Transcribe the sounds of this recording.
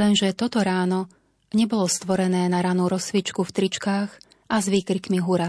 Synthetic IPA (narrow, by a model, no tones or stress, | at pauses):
lɛnʒɛt̪ɔt̪ɔɾaːnɔ | ɲɛbɔlɔst̪ʋɔɾɛnɛːnaɾanuɾɔsʋit͡ʃkuft̪ɾit͡ʃkaːx | ʔazʋiːkɾikmiɦuɾa